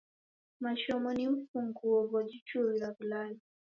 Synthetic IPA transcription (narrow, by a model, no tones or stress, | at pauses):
maʃɔmɔnim̩fuŋɡuwɔβɔd͡ʒit͡ʃuɾilaβulali